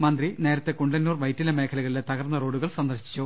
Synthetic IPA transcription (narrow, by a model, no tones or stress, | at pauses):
mɐnd̪rine̞ːɾɐt̪ːe̞kuɳɖɐnːuːrʋɐjtːilɐme̞ːkʰɐlɐɣɐɭilet̪ɐɣɐrnːɐro̞ːɽuɣɐɭsɐnd̪ɐrɕi̥t͡ɕːu